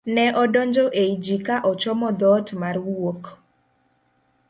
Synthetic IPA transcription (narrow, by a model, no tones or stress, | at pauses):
nɛʔɔdɔɲd͡ʒoʔeid͡ʒikaʔɔt͡ʃɔmɔd̪ɔtmarwok